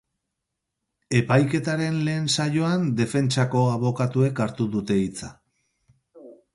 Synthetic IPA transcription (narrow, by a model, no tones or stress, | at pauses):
e̞pajke̞t̪aɾe̞nle̞ːnsajo̞and̪e̞fe̞nt͡ʃako̞aβo̞kat̪ue̞kaɾt̪uðut̪e̞it͡sa